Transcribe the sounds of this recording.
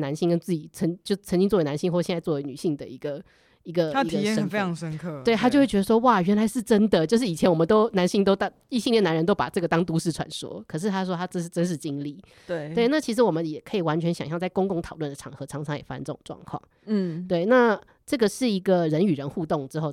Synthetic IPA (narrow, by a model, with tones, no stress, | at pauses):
na˧˦nɕi˥ŋkə˥nt͡sɹ̩˥˩t͡ɕi˨˩t͡sʰə˧˥ŋt͡ɕjo˥˧ʊ˩t͡sʰə˧ŋt͡ɕi˥ŋt͡swɔ˥˩e˧˥na˧nɕi˥ŋxwɔ˥˧jɛ˥˧nt͡swɔ˥˩we˧ɪny˨˩ɕi˥˩ŋd̪ə̰˩i˧˥ɡə˨ | i˧˥ɡə˧a˥i˧ɡə˨˧˥ə˧ə˨˩fe˥ɪɑ˧˥ŋʂə˥nkʰɤ˥˩wɪt̪a˥t͡ɕxwe˥˩t͡ɕʲɥ̪ə˧ʂwɔ˥wa˥˩ɥɛ˧˥nla˧˥ɪʂɻ̩˥˩ʈ͡ʂə˥nd̪ə˨t͡ɕjʂɻ̩˥˩i˨˩t͡ɕʰɛ˧˥nwɔ˨˩mə˦t̪o˥ʊna˧˥nɕi˥ŋt̪o˥ʊt̪ɑ˥ | i˥˩ɕi˥˧li˥˩na˧˦nɻə˧˦nt̪o˥ʊpa̰˨˩ʈ͡ʂɤ˥˩ɡə˩t̪ɑ˥ŋt̪u˧˥ʂɻ̩˥˩ʈ͡ʂʰwa̰˧˥nʂwɔ̰˥kʰɤ˨˩ʂ̬ɻ̩˥˧t̪ʰa˥ʂwɔ˥t̪ʰa˥ʈ͡ʂɤ˥˧ʂ̬̩˥˩ʈ͡ʂə˥nʂ̬̩˥˩t͡ɕi˥ŋli˥˩ | we˥˩ɪt̪we˥˩ɪna˥˩t͡ɕʰi˧˥ʂ̬ɻ̩˧˥wɔ˨˩mə˦njɛ˨˩kʰɤ˧˥i˨˩wa˧˦nt͡ɕʰɥɛ˧˥nɕɑ̰˨˩ŋɕjɑ˥˧ŋt͡sa˥˩ɪkʊ˥ŋkʊ˥˧ŋt̪ʰɑ˨˩ʊlwə˥˩d̪ə˩ʈ͡ʂʰɑ˨˩ŋxɤ˧˥ʈ͡ʂʰɑ˧˥ŋʈ͡ʂʰɑ˧˦jɛ˨˩fa̰˥˧nʈ͡ʂə˥˩ʊ˨˩əʈ͡ʂwɑ̰˥˧ŋkʰwɑ̰˥˩ŋ̩˥˩t̪we˥˩ɪna˥˧ | ʈ͡ʂɤ˥˩ɡə˩ʂɻ̩˥˩i˧˥ɡə˨ɻə˧˥ny˨˩ɻə˧˦nxu˥˧t̪ʊ˥˩ŋʈ͡ʂɻ̩˧˥xo˥˧ʊ